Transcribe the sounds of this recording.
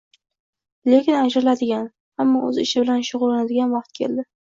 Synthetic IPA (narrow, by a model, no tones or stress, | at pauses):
le̞kʲɪnad͡ʒɾɪlad̪ɪɡʲan | hamːɒʔɵ̰zɪʃɪbɪlanʃʊʁʊlˠːanad̪ɪɡʲanwɑq̚t̪̚kʲʰe̞̰ld̪ɪ